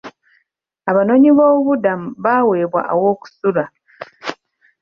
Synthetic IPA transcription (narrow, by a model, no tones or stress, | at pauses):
aβano̞ɲiβo̞ːβudamuβaːwe̞ːβwa̰ʔawo̞ːku̥sula